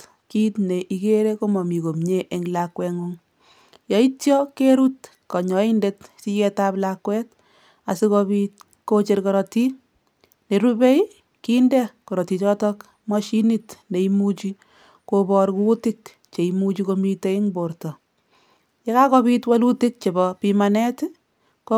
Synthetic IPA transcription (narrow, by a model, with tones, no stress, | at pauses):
t | kitne˨ʔikeɾe˦ko˦mɔ˨mi˨ko˨mɲe˦ʔe˦ŋlakwɛ˧ŋuŋ | jɔ˨itjɔkeɾu˦t | kɔ˨ɲɔ˨inde˦tsi˦t͡ʃɛ˦taplakwɛt | a˨sikɔbit̚ | ko˦t͡ʃe˧ɾkɔ˨ɾɔti˦ | ne˨ɾube˦j | kindɛ˦kɔ˨ɾɔ˨ti˨t͡ʃɔtɔk | mɔʃi˦nitne˨imut͡ʃi | kobɔ˦ɾku˦tɪk | t͡ʃe˨imut͡ʃi˦ko˧mite˦i˦ŋboɾtɔ˨ | je˦ka˦kɔ˦bitwa˦lu˦ti˦k̚t͡ʃe˨bɔ˨pimanɛ˦t | ko